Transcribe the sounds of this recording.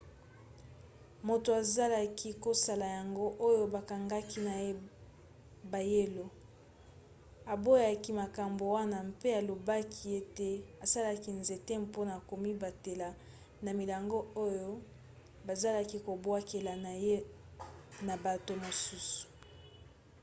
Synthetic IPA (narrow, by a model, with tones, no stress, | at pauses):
mo˨to˨a˨za˦la˦ki˦ko˦sa˨la˨ja˨ŋɡo˦ʔo˦jo˦ba˨ka˨ŋɡa˦ki˦na˨˦ | ba˨je˦lo˨ | a˨bo˦ja˨ki˦ma˨ka˨mbo˨wa˦na˦˨mpe˦a˨lo˨ba˦kʰi˦e˦te˨a˨sa˦la˦ki˦nze˨te˦mpo˦na˨ko˨mi˦ba˨te˨la˨ | na˨mi˨la˨ŋɡo˦o˦jo˦ | ba˨za˦la˦ki˦ko˨bwa˦ke˨la˨n˨je˦ | na˨ba˨to˨mo˨su˦su̥˨